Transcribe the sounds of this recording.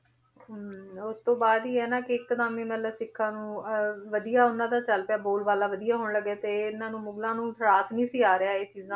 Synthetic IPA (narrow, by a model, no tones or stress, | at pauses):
ʊst̪õːbaːd̪iːɛːnãːkɪɪkːəd̪aːmĩːmɛ̃ːt̪ləbsɪkʰːãːnũːʋəd̪ijaːʊnãːd̪aːt͡ʃəlpjaːboːlʋaːlaːʋəd̪ijaːɦoːɳləɡeːt̪eːɪnãːnũːmʊɡlãːnũːt̪ʰəɽaːsnĩːsɪjaːɾɪaːeːt͡ʃiːzãː